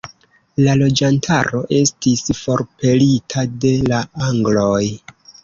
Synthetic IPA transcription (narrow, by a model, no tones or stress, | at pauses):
lalo̞d͡ʒantʰaɾo̞ʔe̞stisfo̞ɾpe̞litʰade̞laaŋɡlo̞j